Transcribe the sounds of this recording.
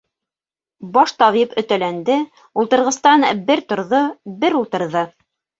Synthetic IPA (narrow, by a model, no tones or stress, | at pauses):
bɑʃt̪ɑβipɵ̆t̪ælænd̪ɘ | ulˠt̪ɤ̆ɾʁɤ̆st̪ɑnbɘɾt̪ŏɾðobɘɾulˠt̪ɤ̆ɾðɤ